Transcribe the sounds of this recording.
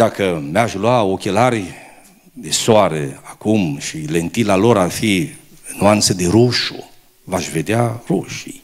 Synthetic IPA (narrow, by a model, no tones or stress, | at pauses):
d̪̥akəmaʃlwaokʲelarʲ | d̪esoaɾeakumʃile̞nt̪ilalo̞ɾarfi | nuant̪səd̪eɾuʃo | vaʃve̞d̪earoʃij